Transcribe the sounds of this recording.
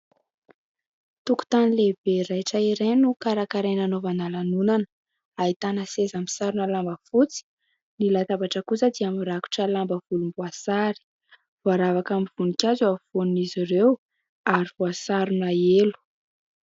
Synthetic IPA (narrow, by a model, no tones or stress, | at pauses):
t̪uku̥t̪anilebeɾajʈ͡ʂəiɾenukaɾakaɾenanovanalanunanə̥ | ait̪anəsezamisaɾunalambəfut͡si̥ | nilat̪avaʈ͡ʂəkusəd̪iamiɾaku̥ʈ͡ʂəlambəv̥ulumbuasaɾi̥ | vaɾavakamiv̥unikʲazuavonnizirew | aɾivuasaɾunaelu̥